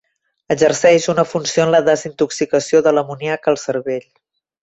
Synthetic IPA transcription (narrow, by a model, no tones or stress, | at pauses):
əzərsɛʃunəfunsioənləðəzint̪uksikəsioðələmuniakəːlˠsəɾβeʎ